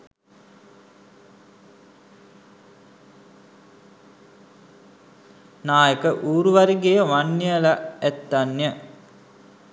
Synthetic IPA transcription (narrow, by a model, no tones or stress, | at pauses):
naːjəkəʔuːɾuʋaɾiɡejəʋanjəlaæt̪ːanjə